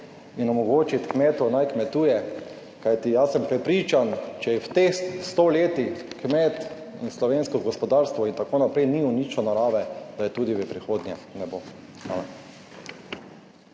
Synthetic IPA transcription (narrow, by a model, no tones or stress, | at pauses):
inɔmɔɡoːt͡ʃit̪kmɛːt̪ɔnajkmɛt̪uːjɛ | kajt̪ijasɛmpɾɛpɾiːt͡ʃant͡ʃɛjɛwt̪exst̪oleːt̪ixkmɛt̪ | inslɔʋeːnskɔɡɔspɔd̪aɾst̪ʋɔint̪akoːnapɾɛjniunit͡ʃɔnaɾaːʋɛd̪̥ajɛt̪uːd̪iʋɛpɾixoːd̪nʲjɛnɛbo | a̰ːmɛn